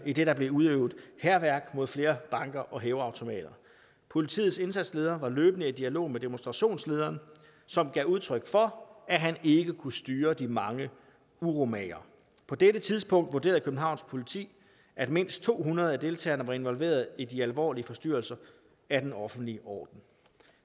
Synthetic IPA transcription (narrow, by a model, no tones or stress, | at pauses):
id̥e̝ɾɑ̈b̥le̝uð̞ˠøʊð̩ˠhæɐʋæɐɡ̥mo̝ð̞̰ˠfle̝ːɐb̥ɑ̈ŋɡ̥ɐʔɒ̽ɦeːʊɑ̈ʊt͡sʰo̝mɛ̰ːd̥ɐ | pʰo̝lit͡sʰḭːð̞̩ˠse̝nsæd̥sle̝ːð̞ˠɐːʋɑ̈løːb̥nəed̥iælo̝̰ːmed̥e̝mo̝nsd̥ʁɑ̈ɕo̝̰ːnsle̝ːð̞ˠɐːn | sɒ̽mɡ̥ɛuð̞ˠt͡sʰʁœɡ̥fɒ̽æɦæne̝ɡ̥əkʰusd̥yːɐd̥imɑ̈ŋə | uʁo̝mɛ̰ɐ | pʰɒ̽d̥eɾət͡sʰiðˠsb̥ʰɔ̽ŋ̰d̥ʋoɐde̝̰ːɐðˠkʰøb̥n̩ɦɑ̈ʊns̚pʰo̝lit͡sʰḭː | ʔæd̥me̝n̰sd̥̚t͡sʰo̝̰ːɦunɐð̞̩ˠæd̥e̝lt͡sʰɛ̰ːɐnɐʋɑ̈e̝nʋɒ̽lʋe̝̰ːɐð̞ˠidiælʋɒ̰ːliəfɒ̽sd̥yɐlsɐ | æd̥enɒ̽fn̩d̥liʔɒ̰ːd̥n̩